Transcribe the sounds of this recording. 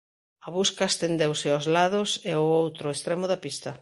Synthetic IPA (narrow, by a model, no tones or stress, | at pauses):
ɐβuskaest̪end̪ewsɪazlaðʊseʊowt̪ɾʊest̪ɾɛmʊðɐpist̪ɐ